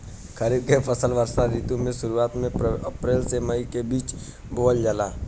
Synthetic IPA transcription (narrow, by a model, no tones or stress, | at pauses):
kʰəɾiːb̚kepʰəsəlʋəɾsaɾiːt̪õmẽʃʊɾuaːt̪mẽɐpɾeːlsemɐikebiːt͡ʃ | boːld͡ʒəlaː